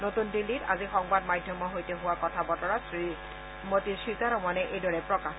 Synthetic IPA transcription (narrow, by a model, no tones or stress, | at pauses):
notundilːita̰zixɔŋbadmajdʱjɔmɔɦojtɛɦʊwakɔtʰabɔtɔɹasɹi | motisɹizaɹɔmɔnɛʔejdɔɹɛpɹɔka